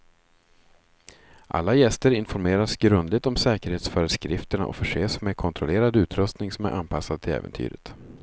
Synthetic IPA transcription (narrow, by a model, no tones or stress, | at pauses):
ʔa̰lːajɛst̪əɾɪnfɔɾmeːɾasɡɾɵnd̪lɪɡ̚t̪ɔmsɛːkəɾheːt̪sfœːɾəd̪skɾɪft̪əɳa̰ʔɔ̰fœʂeːsmɛkʰɔnt̪ʰɾɔleːɾad̪ʉ̟ːt̪ʰɾɵst̪nɪŋsɔmæ̰ɾʔa̰nːpʰasːad̪̚t̪ʰɪlɛ̰ːvə̰nt̪ʰy̰ːɾə̰t̪